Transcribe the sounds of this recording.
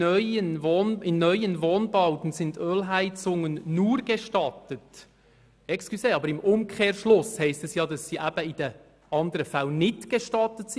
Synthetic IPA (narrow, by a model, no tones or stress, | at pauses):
œʏənvoːnɪnnœʏənvoːnbaʊtn̩sɪndøːlɦæɪt͡sʊŋənːuːɾɡ̥ɛʃtɑtət | ɛkskyseːɑːbəɾɪmʔʊmkʰeːɾʃlʊshɛɪstɛsjɑːdɑsːiːʔæb̥əɪdə | ʔɑndəɾəfælnɪtɡ̥ɛʃtɑtətsɪ